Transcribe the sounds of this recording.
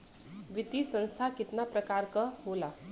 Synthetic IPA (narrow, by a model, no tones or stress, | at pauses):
ʋit̪isə̃ñst̪ʰakit̪napɾəkaɾkəɦola